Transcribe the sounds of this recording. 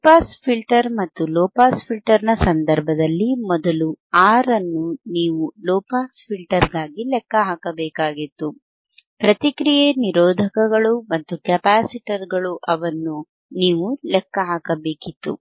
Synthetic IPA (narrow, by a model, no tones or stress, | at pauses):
paːspʰilʈɐɾmɐt̪ːulɔːpaːspʰilʈɐɾnɐsɐnd̪ɐɾbʱɐd̪ɐlːimɔd̪ɐluaːɾɐnːuniːʋulɔːpaːspʰilʈɐɾɡaːɡilɛkːɐɦaːkɐbɛːkaːɡit̪ːu | pɾɐt̪ikɾijeniɾɔːd̪ʱɐkɐɡɐɭumɐnt̪ukɛpaːsiʈɐɾɡɐɭuʔɐʋɐnːu | niːʋulɛkːɐɦaːkɐbeːkit̪ːṵ